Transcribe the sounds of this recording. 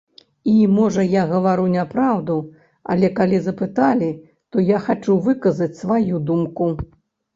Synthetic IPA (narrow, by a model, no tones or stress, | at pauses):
imɔʐɐjaɣɐvaɾunʲapɾawd̪u | ɐ̰lʲɛkalʲizɐpɨt̪alʲi | t̪ɔjaxat͡ʂuvɨkɐzɐt͡sʲsvajud̪umku